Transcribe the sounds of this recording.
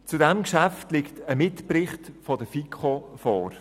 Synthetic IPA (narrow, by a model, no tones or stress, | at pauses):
t͡sudɛmkʃæftlɪktəmɪtprɪχtfɔdəfikχofɔːɾ